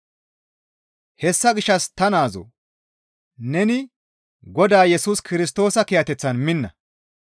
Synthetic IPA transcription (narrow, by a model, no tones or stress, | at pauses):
hɛsːɐɡɪʃːɐst̪ɐnaːzo̰ | nɛnɪ | ɡɔd̪aːjɛsuːskɪɾɪs̬t̪o̞ːsɐkɪjɐt̪ɛt͡sːɐnmɪnːɐ